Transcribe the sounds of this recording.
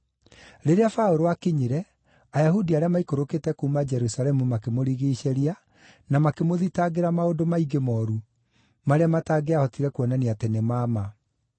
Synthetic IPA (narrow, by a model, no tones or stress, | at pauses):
ɾeɾeafaoɾowakeɲeɾɛ | ajaɦudiaɾeamaikoɾoketɛkoumad͡ʒɛɾusalɛmumakemoɾiɣeːɕɛɾia | namakemoðitaɣeɾamaodomaiɡemɔɾu | maɾeamataɡeahɔtiɾɛkwɔnaniatenemaːma